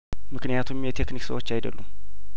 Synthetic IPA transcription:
mɨknɨjat̪ʰumjɛt̪ʰe̞kniksəwot͡ʃːajd̪ə̰lːum

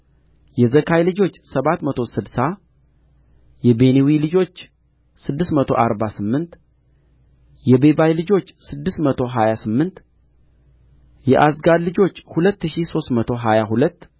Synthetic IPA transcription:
jɛzəkʰajlɨd͡ʒo̞t͡ʃːsəβat̪mət̪ʰo̞sɨd̪sa | jɛbe̞newilɨd͡ʒo̞t͡ʃː | sɨd̪ːɨst̪mət̪ʰo̞ʔaɾbasɨmːɨnt̪ | jɛbebajlɨd͡ʒo̞t͡ʃːsɨd̪ːɨst̪mət̪ʰo̞ɦajasɨmːɨnt̪ | jɛʔasɡad̪lɨd͡ʒo̞t͡ʃːhulət̪ːɨʃiso̞st̪mət̪ʰo̞ɦajaɦulət̪ː

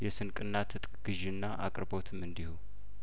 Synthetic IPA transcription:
jɛsɨnkʼɨnːat̪ʰɨt̪ʼkʼɡ̥ɨʒɪnːaʔa̰kʼɾbo̞t̪ʰɨmɨnd̪ihow

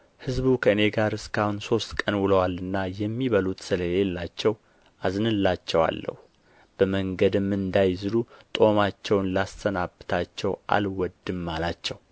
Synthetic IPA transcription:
hɨzβukʰəɨne̞ɡaɾɨskʰahunso̞st̪kʼənwɨləwalɨnːajɛmːiβəlut̪sɨləlelːat͡ʃːɛw | aznɨlːat͡ʃːɛwa̰lːə̰hu | b̥əməŋɡəd̪ɨmːɨnd̪ajzɨlut̪ʼo̞mat͡ʃːɛwnlast̪ʰənabɨt̪ʰat͡ʃːɛwʔa̰lwɔd̪ːɨmːalat͡ʃːɛw

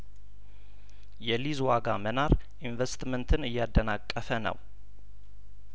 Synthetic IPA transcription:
jɛlizwaɡamənaɾʔinvɛst̪mənt̪ʰɨnɨjːad̪ːənakʼːəfənə̰w

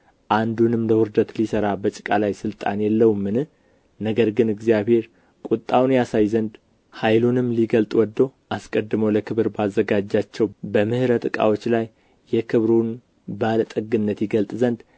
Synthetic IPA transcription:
ʔand̪unɨmləwɨɾd̪ət̪lisəɾabət͡ʃʼɪ̥kʼalajsɨlt̪ʼa̰njɛlːəwmːɨnɨh | nəɡəɾɡɨnɨɡzijaβhe̞ɾ | kʼut̪ʼːawnjasajzənd̪ | hajlunɨmliɡəlt̪ʼwɔd̪ːo̞ʔaskʼəd̪ːɨməwləkʰɨβɨɾbazːəɡad͡ʒːat͡ʃːɛwbəmɨhɨɾət̪ɨkʼa̰wot͡ʃːlajː | ɛkʰɨβɾun | balət̪ʼəɡɨnːət̪jɪɡəlt̪ʼzənd̪

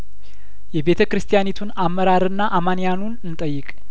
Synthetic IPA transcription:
jɛbe̞t̪ʰəkɾɨst̪ʰijanet̪ʰunamːəɾaɾɨnːaʔamanijanunɨnt̪ʼəjːɨkʼ

